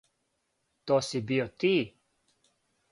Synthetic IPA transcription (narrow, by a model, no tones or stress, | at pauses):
t̪osibiot̪i